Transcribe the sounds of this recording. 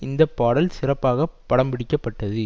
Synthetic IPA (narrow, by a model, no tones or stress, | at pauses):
ɪnd̪ɐpːaːɽɐlsɪrɐpːaːɣɐpːɐɽɐmbɪɽɪkːɐpːɐʈːɐðɯ